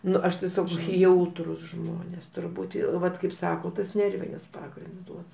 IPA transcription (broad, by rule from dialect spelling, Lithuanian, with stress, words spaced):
ˈnʊ ˈɐʃ tʲiɛˈsʲoːk ˈjɛʊtruːs ˈʒmoːnʲeːs tʊrˈbuːt ʊ ˈʋɐt kɐɪp ˈsɑːkoː tɐs ˈnʲɛrʲʋʲɪnʲɪs ˈpɑːɡrʲɪnts ˈduɔt